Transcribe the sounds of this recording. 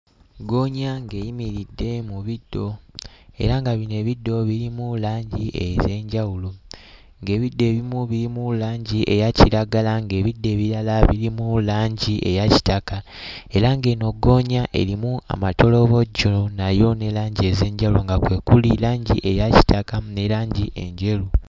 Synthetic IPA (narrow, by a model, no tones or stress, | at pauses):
ɡo̞ːɲaŋɡe̞jimiɾidːe̞muβidːo̞e̞̰ɾaŋɡaβine̞ːβidːo̞βiɾimulaːɲɟiʔḛze̞ːɲɟawulo | ŋɡe̞ːβidːe̞ːβimuβiɾimulaːɲɟiʔe̞̰jaciɾaɡalaŋɡe̞ːβidːe̞ːβiɾalaβiɾimulaːɲɟiʔe̞̰jaci̥taka | e̞ɾaŋɡe̞ːno̞ɡo̞ːɲaʔe̞̰ɾimua̰mato̞lo̞βo̞ɟonajo̞ne̞laːɲɟie̞ze̞ːɲɟawuloŋɡakwe̞ːkulilaːɲɟḭʔe̞jaci̥takane̞laːɲɟiʔe̞̰ɲɟe̞lu